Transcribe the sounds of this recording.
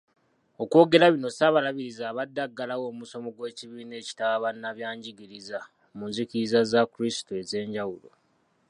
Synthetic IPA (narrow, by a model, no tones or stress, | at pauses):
o̞kwo̞ːɡe̞ɾaβino̞saβalaβiɾizaːβadːaɡːalawo̞ːmuso̞mo̞ɡwe̞ːciβiːne̞ːci̥tawaβanːaβjaːɲɟiɡiɾiza | munzikiɾizazakuɾisi̥toe̞ze̞ːɲɟawulo̰